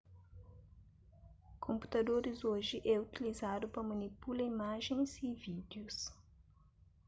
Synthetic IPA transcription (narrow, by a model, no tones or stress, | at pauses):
kʰõmpu̥t̪ɐd̪oɾizoʒɪʔɛut̪ilizad̪ʊpɾɐmɐnipulɐimaʒẽj̃zivid̪jus